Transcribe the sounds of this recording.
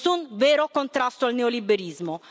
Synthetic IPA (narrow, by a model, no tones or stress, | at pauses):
unvɛːɾokont̪ɾast̪oalneolibːeɾizmo